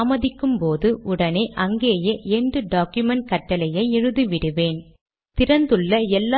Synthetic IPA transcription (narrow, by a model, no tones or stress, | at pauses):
mɐðɪkːɯmpoːðɯʔʊɽɐneʔɐŋɡeːjɐʔeːɳɖɯɖaːkjɯmɛɳʈ̚kɐʈːɐlɐjɐɪɛɻɯðɯʋɪɽɯʋeːn | t̪ɪɾɐnd̪ɯɭːɐɛlːa